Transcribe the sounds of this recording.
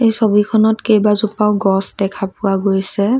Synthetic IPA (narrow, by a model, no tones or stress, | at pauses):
ejsobikʰɔnɔtkejbazupaʊɡɔsdɛkʰapʊwaɡojsɛ